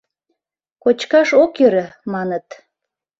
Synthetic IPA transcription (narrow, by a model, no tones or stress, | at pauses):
kot͡ɕkɑʃokøɾəmɑnət̪